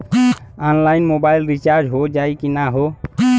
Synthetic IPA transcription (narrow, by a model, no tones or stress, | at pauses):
anlainmobaɪlɾit͡ʃaɾd͡ʒɦod͡ʒaikinaɦo